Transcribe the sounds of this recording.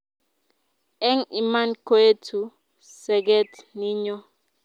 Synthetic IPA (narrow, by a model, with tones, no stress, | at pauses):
ɛ˦ŋi˨ma˦nko˦e˦tʰu˨ | sɛ˨ɡɛ˦tni˦ɲɔ˦